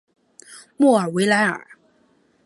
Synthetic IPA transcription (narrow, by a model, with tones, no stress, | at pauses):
mɔ˥˩ə˞˨˩we˧˥ɪla˧˥ɪə̰˞˨˩˦